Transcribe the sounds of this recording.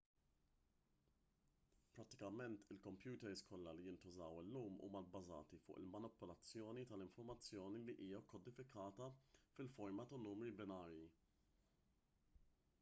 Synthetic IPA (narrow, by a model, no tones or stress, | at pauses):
pɾɐt̪ːɪ̥kɐmɛnt̪ɪlkɔmpjuːt̪ɛɾskɔlːɐlijɪnt̪ʊzɐwɪlːuːmṵːmɐlbːɐzɐ̰ːt̪ifʊ̰ːʔɪ̰lmɐnɪpɔlɐt͡sːjɔːnit̪ɐlɪɱfɔɾmɐt͡sːjɔːniliʔiːjɐkɔd̪ɪfɪkʰɐːt̪ɐfɪlfɔɾmɐt̪ɐnuːmɾibɪnɐːɾji